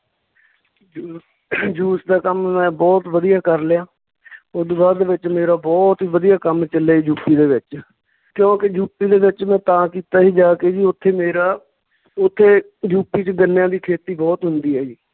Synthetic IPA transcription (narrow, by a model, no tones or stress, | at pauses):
d͡ʒuː | d͡ʒuːsd̪aːkəmmɛ̃ːbɔːt̪ʋəd̪ɪjaːkəɾlɪjãː | ʊd̪baːɾd̪eːʋɪt͡ʃmeːɾaːbɔːt̪iːʋəd̪ijaːkəmt͡ʃəleːd͡ʒuːpiːd̪eːʋɪt͡ʃ | kjõːkɪd͡ʒuːpiːd̪eːʋɪt͡ʃmɛ̃ːt̪ãːkiːt̪aːɦiːd͡ʒaːkeːd͡ʒiːʊt̪ʰːeːmeːɾaː | ʊt̪ʰːeː | d͡ʒuːpiːt͡ʃɡənjãːd̪iːkʰeːt̪iːbɔːt̪ɦʊnd̪iːɦɛːd͡ʒiː